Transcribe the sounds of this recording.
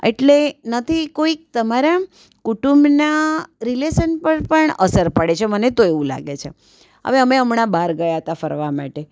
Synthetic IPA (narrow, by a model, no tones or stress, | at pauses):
ḛʈlenət̪ʰikoik̚t̪əmaɾa | kuʈumbnaɾileʃənpəɾpəɳə̰səɾpəɽet͡ʃʰemənet̪oeʋũla̰ɡet͡ʃʰe | ɦə̰ʋeəmeəmɳabaɾɡəjaɦət̪afəɾʋamaʈe